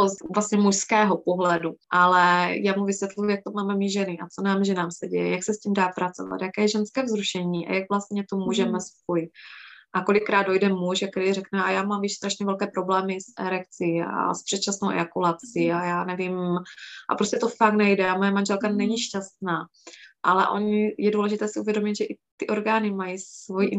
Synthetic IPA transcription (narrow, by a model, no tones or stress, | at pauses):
ovlast̪ɲɛmuʃskɛːɦopoɦlɛduʔalɛjaːmuvɪsjɛt̪lujujak̚t̪omaːmɛmɪʒɛnɪʔat͡sonaːmʒɛnaːmsɛɟɛ̰jɛ̰jaksɛsciːmdaːpɾat͡so̞̰va̰t̪jakɛːjɛʒɛnskɛːvzɾuʃɛɲiːʔa̰jaɡvlast̪ɲɛt̪omuːʒɛmɛsfojɪʔako̞lɪkːɾaːd̪̚dojdɛmuʒak̚t̪ɛɾiːrɛknɛajaːmaːmjɛʃst̪ɾaʃɲɛvɛlkɛːpɾo̞blɛːmɪsʔɛɾɛkt͡sia̰spr̥ɛt̪t͡ʃasnowʔɛ̰akulat͡siajaːnɛvɪmʔa̰pɾoscɛt̪o̞faknɛjdɛamojɛmanʒɛlkanɛɲiʃcast̪naː | ʔalɛ̰ʔo̞̰ɲɪjɛduːlɛʒɪt̪ɛːsɪʔuvjɛdomɪt̪ʒɛʔɪt̪ɪʔo̞ɾɡaːnɪmajivojiʔ